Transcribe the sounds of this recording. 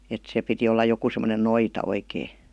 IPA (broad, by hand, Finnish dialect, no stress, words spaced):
et se piti olːɑ joku semə̆nen noitɑ oikeː